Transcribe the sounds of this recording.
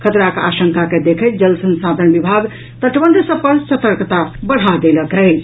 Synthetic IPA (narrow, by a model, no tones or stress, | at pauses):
kʰət̪ɾaka̰ʃəŋkaked̪ekʰət̪̚d͡ʒəlsənsad̪ʱənbibʱaɡ | t̪əʈbəɳɖ̪səb̚pəɾsət̪əɾkt̪abəɽ̤ad̪eləkɛ